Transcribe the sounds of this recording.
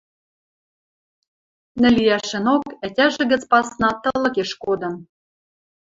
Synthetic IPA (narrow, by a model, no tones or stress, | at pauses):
nɘ̆liæʃɘ̆nokætʲæʒɘ̆ɣə̆t͡spɑsnɑt̪ɤ̆lɤ̆keʃkod̪ɤ̆m